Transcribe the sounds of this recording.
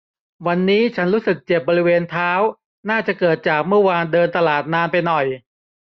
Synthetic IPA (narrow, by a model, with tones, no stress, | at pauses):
wa˧nːiː˦˥t͡ɕʰa˦˥nɾuː˦˥sɯ˨˩k̚t͡ɕe˨˩p̚bɔː˧ɾi˦˥weː˧nt̪ʰaː˦˥w | naː˥˩t͡ɕa˨˩kɤː˨˩t̪̚t͡ɕaː˨˩k̚mɯ˥˩ɐwaː˧ndɤː˧nt̪a˧laː˨˩t̪̚naː˧npa˧jnɔ˨˩j